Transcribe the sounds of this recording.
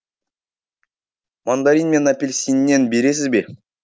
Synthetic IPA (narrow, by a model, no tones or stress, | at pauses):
mand̪ɑɾinme̞napʲelʲsʲinːenbe̞ɾe̞s̬ɪzbe